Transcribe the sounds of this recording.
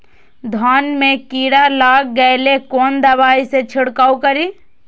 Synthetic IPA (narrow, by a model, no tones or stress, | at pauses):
d̪ʱanmekiɽalaːɡ̚ɡəjlekɔːnd̪əbaːiset͡ʃʰiɽkaːukəɾi